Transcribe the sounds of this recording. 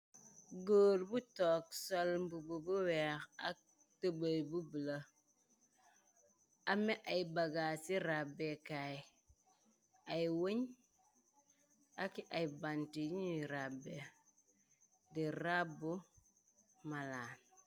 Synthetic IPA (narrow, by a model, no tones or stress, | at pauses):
ɡoːɾbutɔksolmbububuwexa̰ | təbəjbubila | ameʔajbaɡaːsiɾabekaj | ajwoɲ | akiʔajbantiɲiɾabe | diɾabu | malan